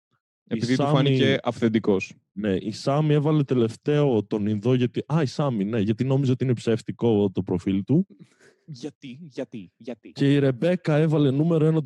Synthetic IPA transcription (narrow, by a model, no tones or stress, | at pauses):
eisðit̪uɐfɐnmiieʔɐfθend̪iko̞s | ne̞ʔisɐmie̞vɐle̞t̪e̞le̞ft̪e̞o̞t̪o̞ninðoʝɐt̪iɐisɐmine̞ʝɐt̪ino̞mizoot̪iinepseft̪iko̞t̪o̞pɾo̞filt̪u | ʝɐt̪iʝɐt̪ice̞iɾe̞be̞kɐe̞vɐle̞nume̞ɾoenɐ